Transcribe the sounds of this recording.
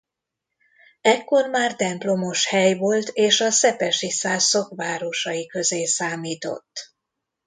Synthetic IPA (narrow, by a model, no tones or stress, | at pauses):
ɛkːo̞rmaːrt̪ɛmplo̞mo̞ʃhɛjvo̞lt̪eːʃɒsɛpɛʃisaːsːo̞kʋaːɾo̞ʃɒjikø̞zeːsaːmiːt̪o̞̰t̪ː